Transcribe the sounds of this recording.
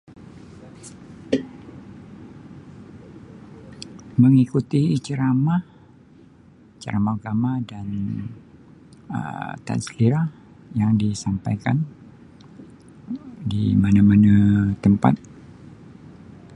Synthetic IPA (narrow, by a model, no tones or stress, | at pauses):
məŋikut̪it͡ʃəɾama | t͡ʃəɾamaɡamadan | ə̰t̪a̰nsliɾa | jaŋdisampajkan | dḭmanamanat̪əmpa̰t̪̚